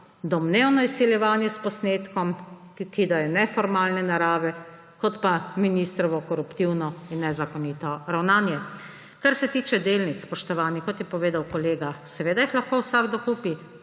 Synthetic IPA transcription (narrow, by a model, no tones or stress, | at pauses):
d̪ɔmneːwnɔisːiljɛʋaːnjɛspɔsneːt̪kɔm | kid̪ajɛnɛfɔɾmaːlnɛnaɾaːʋɛ | kɔt̪paminist̪ɾɔʋɔkɔɾupt̪iwnɔinːɛzakɔniːt̪ɔɾawnaːnjɛ | kaɾsɛt̪iːt͡ʃɛd̪eːlnit͡s̪sspɔʃt̪ɔʋaːnixkɔt̪jɛpɔʋeːd̪awkɔleːɡasɛʋeːd̪aixlaxkowsaɡd̪ɔkuːpi